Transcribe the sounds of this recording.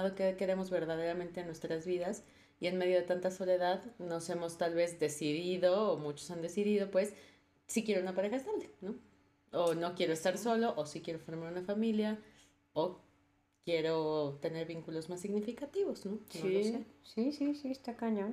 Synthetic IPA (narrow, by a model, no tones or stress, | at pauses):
ðokekeɾemo̞zβe̞ɾðað̞e̞ɾamẽnt̪enwe̞st̪ɾazβiðas | ie̞nme̞ðjo̞ð̞e̞t̪ant̪aso̞le̞ðaðno̞se̞mo̞st̪alβe̞zðe̞siðiðoːmut͡ʃosand̪e̞siðiðo̞pwe̞sː | ikjeɾounapaɾe̞xaest̪aβle̥no̞ | ono̞kje̞ɾo̞e̞st̪aɾso̞lo̞ʔosikje̞ɾo̞foɾmaɾunafamilja | o | kje̞ɾo̞t̪e̞ne̞ɾβiŋkulo̞zmasːiɣnifikat̪iβo̞zno̞noiosesisisiest̪akaɲon